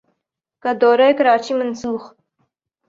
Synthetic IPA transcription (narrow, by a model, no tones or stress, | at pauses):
kad̪oːɾajkaɾɑːt͡ʃimansuːx